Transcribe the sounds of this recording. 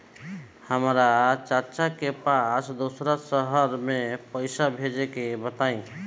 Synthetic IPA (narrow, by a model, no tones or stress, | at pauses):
həmɾat͡ʃəɾt͡ʃakepasd̪osɾasəɦəɾmẽpəɪsabʱed͡ʒekebət̪aĩ